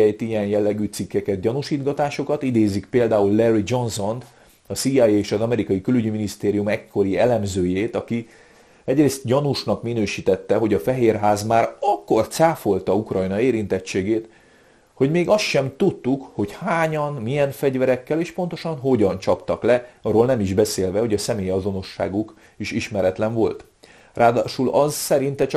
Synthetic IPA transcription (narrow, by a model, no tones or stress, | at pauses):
ɛjt̪ijɛnjɛlːɛɡyːt̪sikːɛkɛt̪̚ɟɒnuʃiːd̪ɡɒt̪aːʃo̞kɒt̪id̪eːzikpeːld̪aːulːɛrid͡ʒo̞nso̞n | ɒsiɛjeːʃɒzɒmɛɾikɒjikylyɟiminist̪eːɾijumɛkʰːo̞ɾiɛlɛmzøːjeːt̪ɒki | ɛɟreːst̪̚ɟɒnuʃnɒkminøːʃit̪ɛt̪ːɛɦo̞ɟɒfɛɦeːrɦaːzmaːɾɒkːo̞rt̪saːfo̞lt̪ɒukrɒjnɒeːɾint̪ɛt͡ʃːeːɡeːt̪ | ho̞ɟmeːɡɒst̪ʃɛmt̪ut̪ːukho̞chaːɲɒnmijɛnfɛɟvɛɾɛkːɛleːʃpo̞n̪t̪o̞ʃɒnɦo̞ɟɒnt͡ʃɒpt̪ɒklɛɒroːlnɛmiʒbɛseːlvɛho̞ɟɒsɛmeːjɒzo̞no̞ʃːa̰ːɡuk | iʃiʃmɛɾɛt̪lɛɱvo̞lt̪ | raːd̪aːʃulɒzsɛɾint̪ɛt͡ʃ